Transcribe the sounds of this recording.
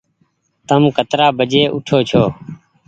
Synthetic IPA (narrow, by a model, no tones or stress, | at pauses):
t̪əmkət̪ɾaːbʱəd͡ʒeːʔʊʈʰoːt͡ʃʰoː